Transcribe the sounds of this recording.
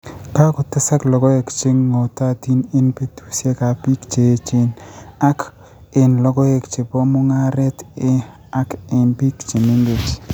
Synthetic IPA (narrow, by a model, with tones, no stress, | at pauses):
ka˦kʊ˨tɪ˦sa˦klɔ˨ɡɔ˦e˨kt͡ʃɪ˦ŋːo˨ta˦ti˦nɪ˦npe˨tu̥˦sje˦ka˨pi˦kt͡ʃe˨˦t͡ʃɪ˦na˦k | e˨nlɔ˦ɡɔ˦e˨kt͡ʃe˨pɔ˦mʊ˦ŋa˦ɾɛ˦tɪ˦ | a˦kɪ˨npi˦kt͡ʃi˨ne˦ŋɡe˨t͡ʃ